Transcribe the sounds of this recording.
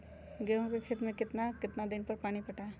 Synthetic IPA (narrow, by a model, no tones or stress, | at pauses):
ɡeɦõkekʰeːt̪mẽkɪt̪nakɪt̪nad̪ɪnpɐɾpaːɽ̃ipɐʈae